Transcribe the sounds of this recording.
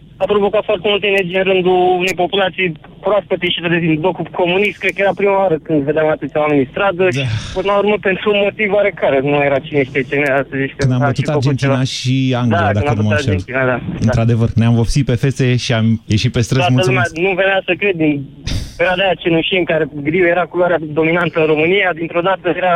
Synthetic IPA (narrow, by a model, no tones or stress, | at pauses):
apɾovo̞kat̪foart̪emult̪eːnerd͡ʒijɨnɾɨnd̪uunejpo̞pulat̪sij | pɾoast̪ət̪eʃit̪əd̪ezimblokukʰo̞munist̪̚kɾed̪kəjeɾapɾimaaɾəkɨnd̪ved̪eamat̪ɨt̪sʲjwamenʲist̪ɾad̪əd̪aipɨnəlauɾməpe̞nt̪ɾumo̞t̪ivoaɾe̞kaɾenumajeɾat͡ʃineʃt̪et͡ʃeneast̪əzeʃt̪kɨnd̪abət̪uit̪ad͡ʒent̪inaʃiaŋɡlaiad̪anaəmnumt̪ːaet̪inad̪aɨnɾad̪e̞vərneamvopsit̪̚pe̞feseʃiamje̞ʃit̪̚pest̪ɾəsamultəlluumeanuveneasəkɾe̞d̪d̪in | eɾad̪ajat͡ʃenuʃiəŋkaɾeɡɾiuje̞ɾakuloaɾead̪o̞minant̪əɨnɾo̞mɨnijad̪int̪ɾod̪at̪əjeɾa